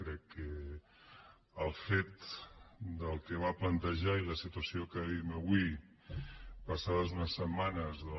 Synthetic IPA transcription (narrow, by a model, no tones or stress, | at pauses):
kɾɛkːə | əlˠfet̪ | d̪əlˠkəβ̞aplənt̪əʒailəsit̪uəsiokəðiməβwi | pəsaðəzunəsːəmːanəzð